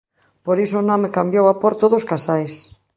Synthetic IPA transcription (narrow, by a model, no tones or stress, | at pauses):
poɾisoːnõmekambjowapoɾt̪oðoskasajs